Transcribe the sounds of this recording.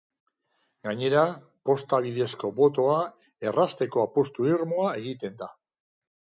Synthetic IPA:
ɡaɲe̞ɾa | po̞st̪aβ̞iðe̞sko̞bo̞t̪̬o̞a | e̞rast̪e̞ko̞apost̪uiɾmoae̞ɣit̪e̞nd̪a

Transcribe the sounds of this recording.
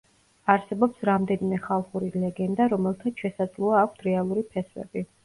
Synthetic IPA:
aɾsɛbɔpsɾamd̪ɛnimɛχalˠχuɾilɛɡɛnd̪aɾɔmɛlˠt̪ʰaʃɛsad̪zlˠɔaːk̚ʷʰt̪ʰɾɛalˠuɾipʰɛswɛ̰bi

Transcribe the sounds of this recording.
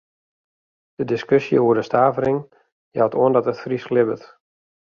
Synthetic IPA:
d̥ədɪskøsjə̰uədəstaːvəɾɪŋ | jawtoəndɔtətfrislɪbət

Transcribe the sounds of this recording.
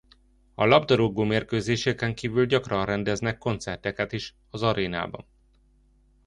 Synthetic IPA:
ɒlɒbd̪ɒɾoɡoːmeːrkøːzeːʃɛkɛŋkiːvylɟɒkrɒnrɛnd̪ɛznɛkːo̞nt̪sɛrt̪ɛkɛt̪iʃ | ɒzɒɾʔeːna̰ːbɒ̰n

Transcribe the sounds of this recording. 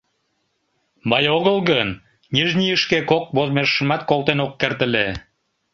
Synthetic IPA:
bɑjoɣəlˠɣən | nʲiʒnʲijəʃkekok̚bozmeʃəmɑt̪kolˠt̪enokːert̪əle

